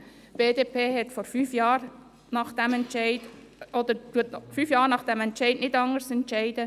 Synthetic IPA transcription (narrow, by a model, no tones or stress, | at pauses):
b̥eːdeːpeːɦɛtfɔɾfyːfjɑːɾ | nɑχd̥ɛmɛntt͡ʃɛɪd | ɔd̪əɾtuɐtfyːfjɑːɾnɑχd̥ɛmɛntt͡ʃɛɪdnɪdɑŋəɾsɛntʃɛɪdə